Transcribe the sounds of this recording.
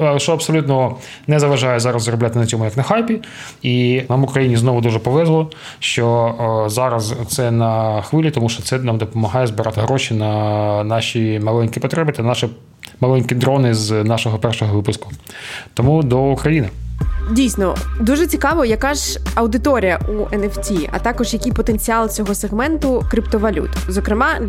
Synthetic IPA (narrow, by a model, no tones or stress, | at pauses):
ʃɔɐpsɔlʲut̪nɔ | nɛzɐʋɐʒɑjɛzɑɾɐzzɾɔblʲat̪ɪnɐt͡sʲɔmʊjɐknɐxɑjpʲi | inɑmʊkɾɐjinʲiznɔʋʊd̪uʒɛpɔʋɛzlˠɔ | ʃt͡ʃɔzɑɾɐzt̪sɛnɐxʋɪlʲit̪ɔmuʃt͡ʃɔt̪sɛnɑmd̪ɔpɔmɐɦɑjɛzbɪɾʔɑt̪ɪɦɾɔʃinɐnɑʃʲimɐlˠɛnʲkipɔt̪ɾɛbɪt̪anɑʃɛ | mɐlˠɛnʲkʲɪd̪ɾɔnɪznɑʃɔɦɔpɛrʃɔɦɔʋɪpʊskʊ | t̪ɔmud̪ɔukɾɐjinɪdʲijsnɔ̰d̪uʒɛt͡sʲikɑʋɔjɐkɑʒɐwd̪ɪt̪ɔɾʲɪjɐʔuʔɛnɛftʲiʔɐ̰t̪ɑkɔʒjɐkʲijpɔt̪enʲt͡sʲiɑlˠt͡sʲɔɦɔseɣmɛnt̪ʊkɾʲɪpt̪ɔʋɐlʲṵt̪zɔkɾɪmɑ